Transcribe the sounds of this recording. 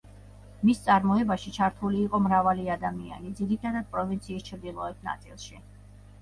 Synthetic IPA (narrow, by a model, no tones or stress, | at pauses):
mist̪sʼaɾmɔɛbaʃit͡ʃʰaɾt̪ʰuliːqʼɔmɾavaliad̪amia̰nid̪ziɾit̪ʰad̪ad̪̚pʼɾɔvint̪sʰiːst͡ʃʰɾd̪ilˠɔɛpna̰t̪sʼḭlˠʃi